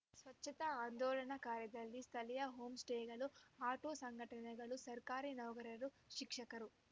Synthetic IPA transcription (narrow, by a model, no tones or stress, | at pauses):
sʋɐtːt͡ʃʰːɐt̪ɐaːnd̪ɔːlɐnɐkaːɾjɐd̪ɐlːist̪ʰɐlɐjɐɦoːmsʈeːɡɐluaːʈoːsɐŋɡʱɐʈɐnɐɡɐlusɐɾkaːɾinɐwɡɐɾɐɾu | ʃikʂɐkɐɾu